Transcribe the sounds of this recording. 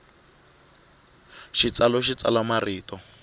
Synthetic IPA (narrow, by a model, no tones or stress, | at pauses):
ʃit͡salɔʃit͡salamariːtɔ